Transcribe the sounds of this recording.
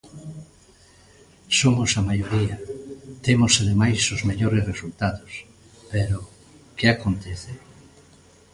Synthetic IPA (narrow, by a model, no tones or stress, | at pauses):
somʊsamajoɾiɐt̪emʊsaðemajsozmeʎoɾesresult̪aðos | peɾo | keakont̪eθe